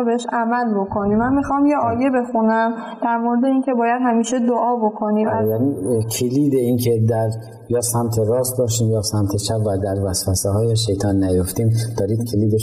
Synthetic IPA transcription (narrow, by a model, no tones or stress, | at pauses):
beheʃʔæmælbo̞kʰo̞nimænmixɒmjeʔɒːjebe̞xunæm | d̪̥æɾmoɾed̪e̞iːŋcʰe̞bɒːjæd̪̥hæmiːʃed̪oʔɒːbo̞kʰo̞niæbæɾiːnkʰeliːd̪e̞iːncʰe̞d̪æɾ | jɒːsæmt̪ʰe̞ɾɒːst̪̚bɒːʃt̪iːmjɒːsæmt̪ʰe̞t͡ʃʰæpvæd̪æɾvæsvæsehɒːjeʃe̞jt̪ʰɒːnːæjoft̪iːmd̪̥ɒːɾiːd̪̥kʰeliːd̪e